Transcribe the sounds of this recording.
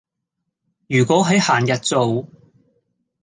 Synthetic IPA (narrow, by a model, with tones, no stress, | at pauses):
jyː˨˩kʷɔː˨˥ɦɐ˨˥jhaː˨˩njɐ˨t̚t͡so˨w